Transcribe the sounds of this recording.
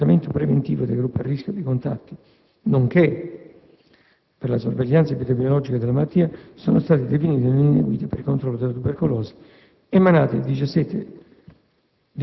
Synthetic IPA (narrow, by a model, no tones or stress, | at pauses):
ament̪opɾevent̪iːvod̪ejɡɾupːia̰rːiskʲjod̪ejkont̪a̰t̪ːi | noŋke | perlasorveʎːansapit̪ɛkminolɔd͡ʒikad̪elamat̪ːiːasoːnost̪aːt̪id̪efiniːt̪inliind̪ḛɡwiːt̪epeɾilkont̪ɾɔlːod̪elːat̪uberkolɔːzḁ | emanaːt̪id̪it͡ʃasːɛt̪ːḛ | d̪